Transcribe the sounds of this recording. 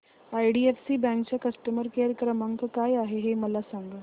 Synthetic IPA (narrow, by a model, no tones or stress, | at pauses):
ajɖiefsiːbɛ̃ŋkt͡ɕjakəsʈəməɾkeɾkɾəməŋkkajaɦeɦeməlasaŋɡəː